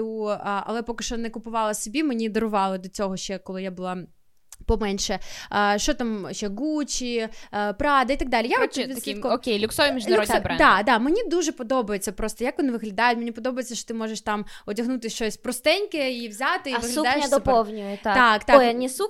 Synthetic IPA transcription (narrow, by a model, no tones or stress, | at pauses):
uɐ̰lˠɛpɔkɪʃt͡ʃɔnɛkʊpʊʋɑlˠɐsʲɔbʲimenʲid̪ɔɾʊʋɑlˠɐd̪ɔt͡sʲɔɦɔʃt͡ʃɛkɔlˠɪjabʊlˠɑ | pɔmɛnʲʃɛʃt͡ʃɔt̪amʃt͡ʃːɛɡut͡ʃʲipɾɑd̪ɐit̪ɐɡ̚d̪ɑlʲijaɔɛʋʲiɐkikɔɔkʲejlʲʊksɔʋimʲiʒnlʲɾɔd̪ʲbɾɛd̪ɑd̪ɑmenʲid̪uʒɛpɔd̪ɔbɐjet͡sʲɐpɾɔst̪ɔjakʋɔnɪʋɪɦlʲɐd̪ɑjʊtʲmenʲipɔd̪ɔbɐjet͡sʲːɐʃt͡ʃɔ̥t̪ɪmɔʒɛʃt̪ɑmɔdʲɐɦnut̪ɪʃt͡ʃɔsʲpɾɔst̪ɛnʲkɪiʋzʲat̪ɪiʋɪɦlɐud̪ajeʃd̪ɔpɔwnʲʊjʊt̪t̪akt̪ɑnʲisu